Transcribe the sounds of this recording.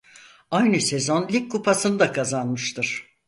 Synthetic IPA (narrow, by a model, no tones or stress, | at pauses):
ajnɯse̞zo̞nlʲikkʰːupʰasɯnd̪akʰazanmɯʃt̪ʰɯɾ̥